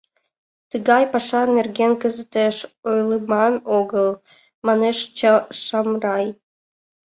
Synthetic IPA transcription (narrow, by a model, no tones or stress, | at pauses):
t̪əɣɑjpɑʃɑnerɣenkə̆zə̆t̪eʃojlˠəmɑnoɣəlˠ | mɑneʃt͡ɕʃɑmrɑj